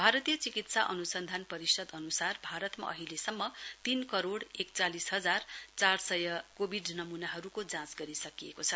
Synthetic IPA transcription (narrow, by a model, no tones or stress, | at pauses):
bʱaɾʌt̪ijʌt͡sikit̪saʔʌnusʌnd̪ʱanpʌɾisʌd̪ʌnusarbʱaɾʌt̪ma̰ʔʌɦilesʌmːʌt̪inkʌɾoɽek̚t͡salisɦʌd͡zart͡sarsʌjʌkobʱiɖnʌmunaɦʌɾukod͡zãsɡʌɾisʌkijekot͡sʰʌ